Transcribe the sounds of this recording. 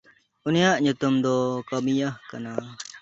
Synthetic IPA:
ʊnɪjaʔɲʊt̪umd̪ɔːkəmijahkɐnaː

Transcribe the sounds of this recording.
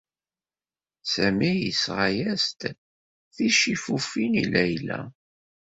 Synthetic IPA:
sæmijḭsʁajæst̪ | θiʃifufinḭlæjlæ̰

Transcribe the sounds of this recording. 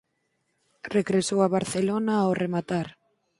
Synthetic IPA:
reɣɾesowaβaɾθelonaoremat̪aɾ

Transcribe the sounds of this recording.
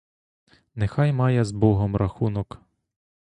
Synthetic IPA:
nexɑjmɑjɛzbɔɦɔmɾʔɐxunɔk

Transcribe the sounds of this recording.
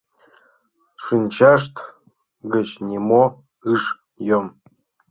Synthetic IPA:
ʂɨnʲt͡ɕaʂt̪ | ɡət͡ɕnʲimo | ɨʂ | jom

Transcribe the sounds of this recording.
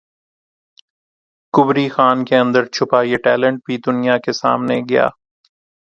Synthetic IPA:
kʊbɾixaːnkeɐ̃nd̪əɾt͡ʃʰʊpaːieʈɛːlə̃ɳʈ̚bʱid̪ʊnijakesa̰ːmneɡɪja̰ː

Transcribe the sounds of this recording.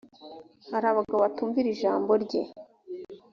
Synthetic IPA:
haɾaβaɡaβatuːɱviɾiʒaːmbo̞ɾɟe̞̰

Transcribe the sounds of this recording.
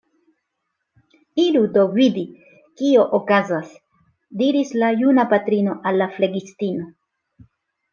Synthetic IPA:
ilud̪o̞vid̪i | kio̞ʔokazas | diɾislajunapatɾino̞ʔalːafle̞ɡistino̞

